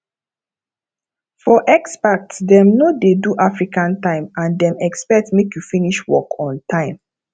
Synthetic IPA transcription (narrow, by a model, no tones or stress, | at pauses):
fɔʔɛkspak̚tsdɛmnodeduʔafɹikãntãɪ̃mãndɛ̃mɛkspɛk̚tmekjufiniʃwɔ̰kɔ̃ntʰãɪ̃m